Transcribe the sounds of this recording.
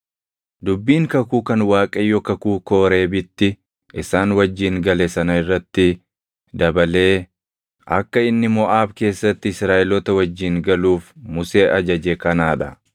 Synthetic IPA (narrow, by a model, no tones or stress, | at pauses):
d̪ʊbːiːŋkɐkuːkɐnwaːkʼɐjːɔkɐkuːko̞ːɾe̞ːbɪt̪ːɪ | ʔɪsaːnwɐd͡ʒːiːŋɡɐlɛsɐnɐɪrːɐt̪ːɪ | d̪ɐbɐle̞ː | ʔɐ̰kːɐɪnːɪmɔʔaːbke̞ːsːɐt̪ːɪɪsɾaːʔɛlɔt̪ɐwɐd͡ʒːiːŋɡɐluːfmʊse̞ːʔɐd͡ʒɐd͡ʒɛkɐnaːᶑɐ